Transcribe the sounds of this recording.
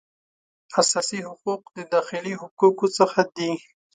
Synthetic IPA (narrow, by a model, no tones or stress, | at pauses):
asɑsihʊquq̚d̪əd̪ɑxɪliɦʊqukosəxad̪i